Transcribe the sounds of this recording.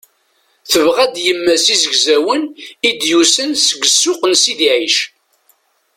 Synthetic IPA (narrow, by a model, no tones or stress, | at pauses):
θəvʁæd̪jəmːæsizəɡzæwənid̪jusənsəɡəsːʊqənsiðiʕiʃ